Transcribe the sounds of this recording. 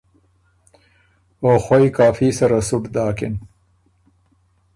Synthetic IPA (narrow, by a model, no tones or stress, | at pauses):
oːxwojkaːfisɐɾasuʈd̪aːkɪn